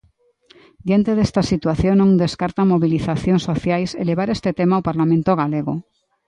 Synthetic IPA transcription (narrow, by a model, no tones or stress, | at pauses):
d̪jant̪eðest̪asit̪waθjoŋnõŋd̪eskaɾt̪amoβiliθaθjoŋsoθjajsḛleβ̞aɾest̪et̪emawpaɾlamẽnt̪oɣ̞aleɣo